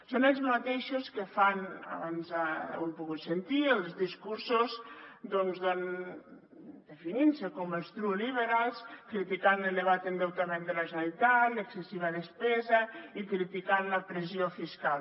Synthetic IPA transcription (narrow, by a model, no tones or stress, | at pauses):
sonelzmat̪eʃoskefana̰βanza̰wempuɣut̪sent̪ielˠzðiskuɾsozd̪ɔnzðon | d̪efininsekɔmelˠst̪ɾuliβeɾalˠskɾit̪ikaneld̪eβat̪end̪ewt̪amẽnd̪əlaʒenalit̪at̪ləksesiβ̞aðespɛzaikɾit̪ikanləpɾeziofiskalˠ